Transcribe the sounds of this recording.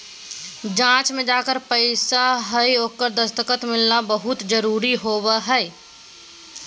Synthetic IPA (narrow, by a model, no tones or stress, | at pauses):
d͡ʒãːt͡ʃmẽd͡ʒaːkəɾpəɪsaɦəioːkːəɾd̪əst̪əkət̪mɪlnabəɦʊt̪d͡ʒəɾuːɾiɦoːbəɦɛː